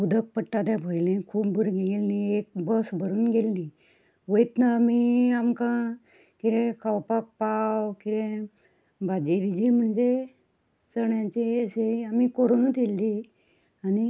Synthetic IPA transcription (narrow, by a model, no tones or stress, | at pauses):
ud̪ʱək̚pəʈːat̪jabʱojlẽkʰuːpbʱuɾɡelniek̚bəsbʱəɾuːnɡelnĩ | ʋəjit̪naːmiamkã | kiɾẽkʰawpak̚pawkiɾẽ | bʱad͡ʑeʋid͡ʑĩm̤əɳd͡ze | səɳjãt͡ɕiəɕeamikoɾonut̪elːi | ani